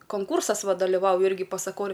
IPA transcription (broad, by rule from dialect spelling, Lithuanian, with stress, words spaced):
koːŋˈkuːrsɐs ˈʋɐ dɐlʲɪˈʋɐʊjʊ ˈɪrʲɡʲɪ pɐsɐˈkoːrʲʊ